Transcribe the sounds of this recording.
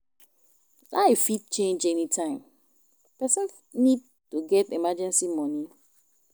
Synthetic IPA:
laɪfit̚t͡ʃẽnd͡ʒɛnitʰãɪ̃m | pɛsɛ̃ns | nid̚ | tuɡɛtimad͡ʒɛ̃nsimɔni

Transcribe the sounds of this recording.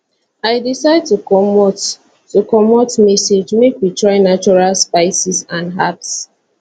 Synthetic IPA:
aɪdisaɪd̚tukɔmɔt | tukɔmɔtmɛsed͡ʒmekwitɹaɪnat͡ʃɔɹalspaɪsisãnɦaps

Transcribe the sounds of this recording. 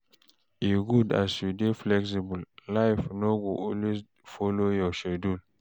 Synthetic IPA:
iɡuda̰sjudeflɛks̬ibullaɪfnoɡoʔɔlwes | fɔlojɔʃɛdul

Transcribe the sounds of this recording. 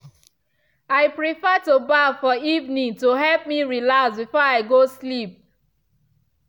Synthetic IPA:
aɪpɹifɛtubafɔivnĩŋtuɦɛlp̚miɹilaksbifɔaɪɡoslip̚

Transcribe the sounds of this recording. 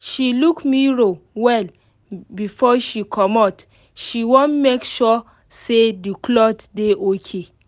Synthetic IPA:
ʃilukmiɹowɛl | bifɔʃikʰɔmat | ʃiwõnmekʃɔ | sedikʰlɔtdeʔokʰe

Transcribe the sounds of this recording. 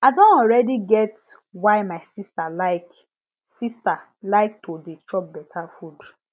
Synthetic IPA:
adõntɔlɹɛdiɡɛt | waɪmaɪsistalaɪk | sista | laɪk̚tʰodet͡ʃɔp̚bɛtʰafud

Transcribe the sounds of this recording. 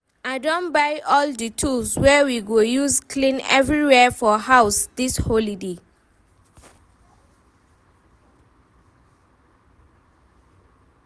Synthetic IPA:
aɪdõnbajʔɔldətʰulswɛwiɡojuskʰlĩnɛ̰vɹiwɛfɔhaʊsdisholide

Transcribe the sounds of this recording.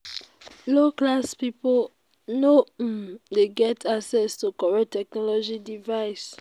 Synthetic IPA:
loklaspipo | nom̩deɡɛtʰaksɛstukɔɹɛtɛk̚nɔlɔd͡ʒidivaɪs

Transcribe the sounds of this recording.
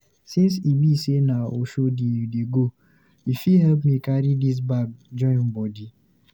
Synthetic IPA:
sĩns̬ibisenao̰ʃodideɡo | ifiɦɛlp̬mikaɾidis̬baɡd͡ʒɔ̃ɪ̃n̩bɔdi

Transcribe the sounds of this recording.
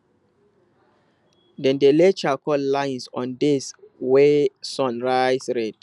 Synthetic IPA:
dɛ̃ndelet͡ʃakɔllãɪ̃nsɔ̰̃ndɪswesɔ̃nɹaɪsɹɛd

